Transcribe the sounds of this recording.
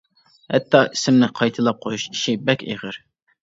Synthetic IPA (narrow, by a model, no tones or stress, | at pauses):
hɛt̪ʰːɑʔisɪmnɪqʰɑjt̪ʰɨlˠɑp̚qʰojuʃi̥ʃɪbɛkʲḛʁəɾ